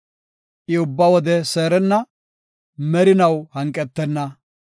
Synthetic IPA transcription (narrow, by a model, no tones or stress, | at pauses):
ʔɪʊbːɐwɔd̪ɛseːɾɛnːɐ | mɛɾɪnɐwhɐŋkʼɛt̪ːɛnːɐ